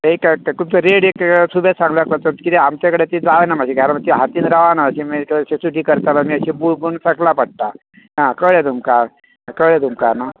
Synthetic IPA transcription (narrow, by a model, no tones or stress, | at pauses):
ekkupt͡səɾeɽeksubʱesãŋɡlakat͡s̪at̪kit̪iamt̪akəɽet̪id͡zaʋenamaɕiɡʱaɾmat̪iɦat̪iːnɾaʋanaəsemikəsesuʈiːkəɾt̪alamiəɕẽbuɭbunsəklapəɽ̚t̪a | ɦãkəɭed̪umkaɾ | akəɭed̪umkaɾna